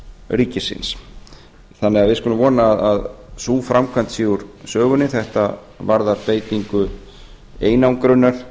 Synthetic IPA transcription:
riːcɪsɪ̰ns | θanːɛɣaðvɪðskʏnʏmvɔːnaːðaðsuːfɾamkʰant̪siːɣuɾsœːɣʏnɪθɛht̪a | vaɾðaɾpeːjt̪iŋkʏ | eːjnawŋkɾʏnːaɾ̥

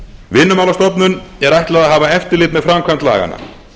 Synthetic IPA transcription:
vɪnːʏmawlast̪ɔpnʏnɛɾajht̪laðaðɦaːvaɛft̪ɪɾlɪːt̪mɛðfɾamkʰvant̪la̰ːɣa̰na̰

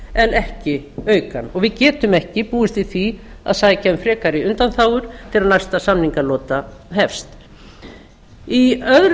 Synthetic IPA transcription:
ɛnʔɛhcɪœːɥkanɔɣvɪðcɛːt̪ʏmɛhcɪpuːɪst̪vɪθvi | a̰ðsaːjacʰɛmfɾɛːkaɾɪʏnt̪anθaːwʏɾ̥t̪ʰɪlaðnajst̪asamniŋkalɔːt̪aɦɛfst̪ | iœðɾ

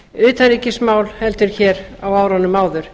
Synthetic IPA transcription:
ʏːt̪aɾiːcɪsmaːwlhɛlt̪ʏɾ̥çɛːɾawawɾanʏmaːwðʏɾ̥

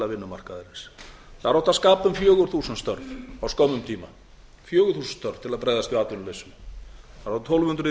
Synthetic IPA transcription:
lavɪnːʏma̰r̥kaðɛɾɪnsθaɾawt̪aðskaːpʏmfjœːɣʏɾ̥θuːsant̪st̪œ̰ɾvawskɔwmʏmt̪ʰiːma | fjœːɣʏɾθuːsʏn̥t̪œɾv̥t̪ʰɪlaðpɾeːjðast̪vɪaːt̪lʏnʏlesʏmaɾawt̪t̪ʰowlvʏhʏnt̪ɾʏ

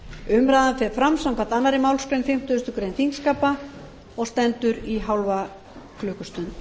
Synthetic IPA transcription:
ʏmɾajðanfɛɾfɾamsawmkvat̪anːaɾɪmawlskɾejnfɪm̥t̪ʏʏst̪ʏkɾejnθiŋkskaːpa | ɔɣst̪ɛnt̪ʏɾiɦawlva | kʰlʏːkʏst̪ʏn

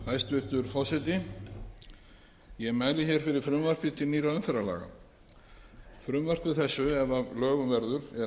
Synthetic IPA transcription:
hajst̪vɪht̪ʏɾfɔsɛt̪ɪ | jɛmaːjlɪçɛɾ̥fɪɾɪ̥fɾʏmvar̥pɪt̪ɪniːɾaʏnfɛɾala̰ːɣa̰ | fɾʏmvar̥pɪθɛsːʏɛvalœːɣʏnvɛɾðʏɾɛ

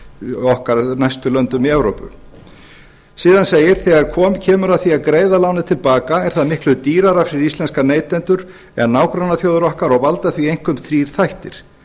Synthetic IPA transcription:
ɔhkaɾnajst̪ʏlœnt̪ʏmiɛvɾowpʏ̰ | siːðanseːjɪɾ̥θɛɣaɾ̥kʰɔːmcʰɛːmʏɾaðθiaðkɾeːjðalawnɪt̪ʰɪlpaːkaɛɾ̥θaðmɪhklʏt̪iːɾaɾafɾɪɾist̪lɛnskaneːjt̪lɛnt̪ʏɾ̥ | ɛ̰naːwkɾawnːaθjoːwðʏɾɔhkaɾɔɣvalt̪aθviejŋ̥kʏmθɾiːɾ̥θajht̪ɪ̰ɾ̥

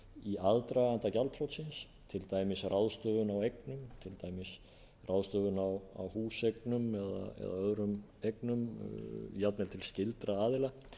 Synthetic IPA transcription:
iʔaðt̪ɾaant̪acalt̪ʰɾowt̪sɪns | t̪ʰɪlt̪aːjmɪsrawðst̪œːðʏnawejknʏmt̪ʰɪlt̪aːjmɪs | rʔawðst̪œːðʏnawa̰whuːsejk̚nʏmɛða̰ɛ̰ða̰œðɾʏm | ejknʏm | jat̪nɛlt̪ʰɪlscɪlt̪ɾaaːðɪla

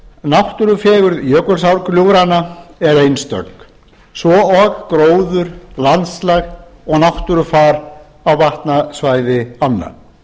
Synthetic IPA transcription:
nawht̪ʏɾʏfɛːɣʏɾðjœːkʏlsawɾkljuwɾanːaɛɾejnst̪œ̰k | svɔɔɣkɾoːwðʏɾ̥lant̪slaɣɔɣnawht̪ʏɾʏfaːɾ | awvaht̪nasvaːjðɪanːa̰

